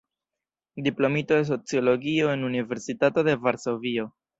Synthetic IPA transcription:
diplo̞mitoes̬ot͡sjo̞lo̞ɡio̞e̞nunive̞ɾsitato̞de̞vaɾso̞vio̞

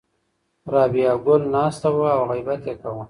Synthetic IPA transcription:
ɾɑːbijɑɡʊlnɑːst̪awəawɣajbat̪jekawu

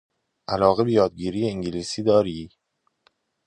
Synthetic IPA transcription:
ʔælɒːɣe̞bejɒːd̪̚ɟiːɾiːjeiŋɟeliːsiːd̪ɒːɾiː

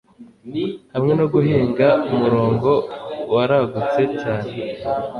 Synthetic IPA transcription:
hamŋe̞noɡuɦeːŋɡaumuɾo̞ːŋɡo̞waɾaɡut͡se̞caːne̞

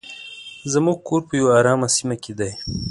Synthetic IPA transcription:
zamuɡ̚koɾpəjawɑːɾɑːmasimaked̪aj

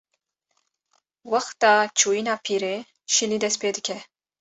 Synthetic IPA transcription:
wɑxt̪ɑːt͡ʃʰuːjinɑːpʰiːɾeː | ʃiliːd̪ɛspeːd̪ɨkʰɛ

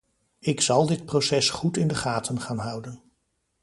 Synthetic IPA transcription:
ɪksɑlˠdɪt̚prowsɛsχutɪndəχaːtʰənχaːnɦʌwdən

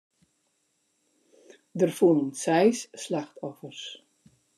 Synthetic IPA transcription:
dərfulˠənsɛjsːlaxtʰɔfərs

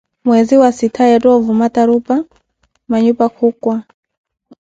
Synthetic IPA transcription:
mwɛziwasitʰajɛtɔvumataɾupa | maɲupakʰukwa

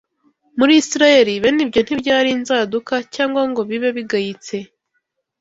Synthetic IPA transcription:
muɾisiɾaje̞ɾiβenibɟo̞n̥hibɟaːɾinzaːdukacaːŋɡwaŋɡo̞βiβe̞βiɡahit͡se̞

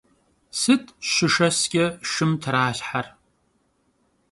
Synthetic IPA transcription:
sɨtʰʃɪʂɐsɡʲɪʂɨmtʰraːɬħar

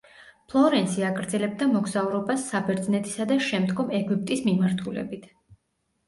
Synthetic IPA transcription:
pʰlˠɔɾɛnsiaɡɾd̪zɛlɛb̚d̪amɔɡzauɾɔbasːabɛɾd̪znɛt̪ʰi̥sad̪aʃɛmd̪ɡɔmɛɡup̚t̪ʼismimaɾt̪ʰulɛ̰bit̪ʰ

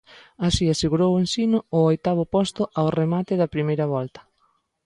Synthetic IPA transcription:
asiaseɣuɾowensinʊʊojt̪aβ̞ʊpɔst̪ʊʔawremat̪ɪðɐpɾimejɾɐβɔlt̪ɐ̥

